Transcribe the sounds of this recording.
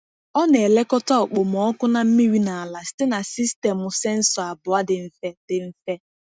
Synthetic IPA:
ɔ˦ne˨le˦kɔ˦tɔ˦˨k͡po˨m˨ɔ˨˦ɔ˦kʊ˦na˦m̩˦mi˦wi˦na˨a˨la˨sɪ̥˦tɪ˦na˨si˦ste˨mʊ˨se˦n̩˦sɔ˨a˨bʊ˨a˦dɪ˨m̩˦fe˦d̥ɪ˨m̩˦fe˦

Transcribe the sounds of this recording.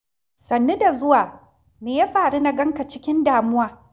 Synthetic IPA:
sɐ˨nːe˦da˨zʊ˦waː˨ | meː˨ja˦ɸaː˨ɽu˦na˦ɡɐ˦ŋka˨t͡ʃɪ˦kʲɪ˦ndaː˨mʊ˦waː˨

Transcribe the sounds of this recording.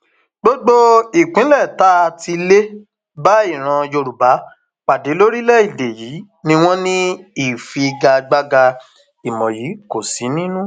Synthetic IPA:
ɡ͡bo˦ɡ͡bo˦i˨k͡pĩ˨˦lɛ˦˨ta˦˧ti˧le˦ | ba˦i˦˨ɾ̃ã˧jo˧ɾu˨ba˨˦ | k͡pa˨de˨˦lo˦ɾi˦lɛ˦i˦˨de˨jiː˨˦ | nĩ˧w̃ɔ̃˦nĩ˦i˦˨fi˧ɡa˧ɡ͡ba˧ɡa˧ | i˨mɔ̃˨ji˨˦ko˨si˨˦nĩ˦nũ˦

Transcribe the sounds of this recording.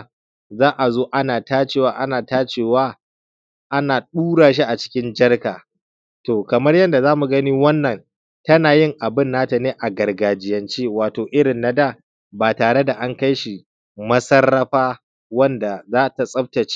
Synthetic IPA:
zaː˦ʔa˨zoː˦ʔa˦naː˨taː˦t͡ʃeː˨waː˦ʔa˦naː˨taː˦t͡ʃeː˦˨waː˦ | ʔa˦naː˨ɗuː˦ɽaː˨ʃ̬i˦ʔa˨t͡ʃɪ̥˦kʲɪ˦nd͡ʒɐ˦rkaː˨ | toː˨kɐ˨mɐ˦rjɐ˦nda˨zaː˦mu˨ɡɐ˦niː˦wɐ˦nːɐ˨n | tɐ˦naː˨jɪ˦ŋʔa˨bɪ˦nːaː˦ta˨neː˦ʔa˨ɡɐ˨rɡaː˨d͡ʒɪ˨jɐ˨nt͡ʃeː˦waː˨toː˨ʔɪ˦ɽɪ˨nːa˦daː˦˨ | baː˨taː˨ɽe˦da˨ʔa˦ŋka˦jʃi˨ | mɐ˦sɐ˦rːɐ˦ɸaː˦ | wɐ˦nda˨zaː˦ta˨sʼɐ˦p̚tɐ˨t͡ʃː

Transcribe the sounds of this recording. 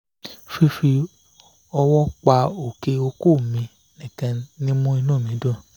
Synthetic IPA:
fi˧fi˧ | ɔ˧wɔ˦k͡pa˧o˨ke˧o˧ko˦˨mĩ˧ | nĩ˨kã˧nĩ˦mũ˦i˧nũ˦˨mĩ˨˦dõ˦˨

